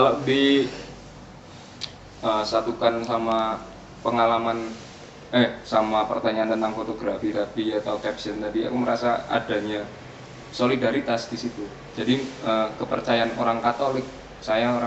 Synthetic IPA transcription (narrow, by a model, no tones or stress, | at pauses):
ladi | əːsat̪ukansama | pəŋalaman | ɛhsamapə̰rt̪aɲaːnt̪ənt̪aŋfot̪oɡɾafid̪afiat̪aukɛpsənt̪adia̰kuməɾasaa̰daɲa | solidaɾit̪asdisit̪u | d͡ʒadiəːkəpə̰rt͡ʃajaanoɾaŋkat̪olɪk̚ | sajaoɾa